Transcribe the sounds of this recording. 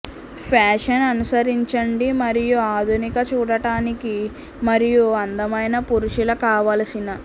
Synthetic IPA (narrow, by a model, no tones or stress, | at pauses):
pʰaːʂɐnɐnusɐɾiɲt͡ʃɐɳɖimɐɾijuaːd̪ʱunikɐt͡ʃuːɽɐʈaːniki | mɐɾijuɐnd̪ɐmɐjnɐpuɾuʃilɐkaːʋaːlɐsinɐ